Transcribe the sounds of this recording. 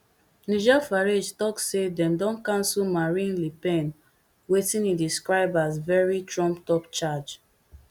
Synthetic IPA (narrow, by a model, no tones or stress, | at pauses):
nid͡ʒɛfaɹed͡ʒtɔkssedɛ̃mdɔ̃nkãnsɔlmaɹĩnlipɛ̃n | wetĩnidiskɹaɪbazvɛɹitɹɔ̃mptɔpt͡ʃad͡ʒ